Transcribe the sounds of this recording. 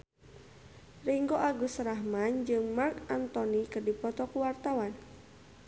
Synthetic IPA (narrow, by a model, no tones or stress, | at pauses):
riŋɡoʔaɡusɾaɦmand͡ʒɨŋmarkant̪ɔnikɨrdipɔt̪ɔkuwart̪awan